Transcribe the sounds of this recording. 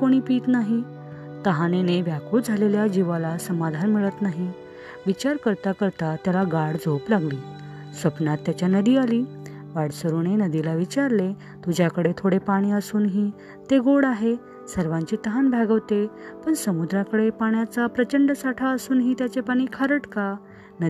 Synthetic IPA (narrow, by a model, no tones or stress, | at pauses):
koɽ̃iːpiːt̪naɦi | t̪əɦaneneʋjakuːd͡zʱaleljad͡ʑiʋalasəmad̪ʱanmiɭət̪naɦi | ʋit͡ɕaɾkəɾt̪akəɾt̪at̪jalaɡaɽd͡zoplaɡliː | sʋəpnat̪ːjat͡ɕjanəd̪iːaliː | ʋaɽsəɾunenəd̪ilaʋit͡ɕaɾle | t̪ud͡ʑjakəɽet̪ʰoɽepaɽ̃iːəsuːnɦiː | t̪eɡoɽaɦe | səɾʋãɲt͡ɕiːt̪əɦanbʱaɡəʋt̪epəɳsəmud̪ɾakəɽepaɳjat͡sapɾət͡ɕəɳɖəsaʈʰaəsuːnɦiːt̪jat͡sepaɽ̃iːkʰaɾəʈka | nə